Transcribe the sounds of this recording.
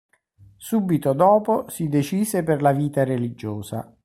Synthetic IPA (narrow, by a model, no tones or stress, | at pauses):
suːbit̪od̪ɔːposid̪et͡ʃiːzeperlaviːt̪arelid͡ʒoːza̰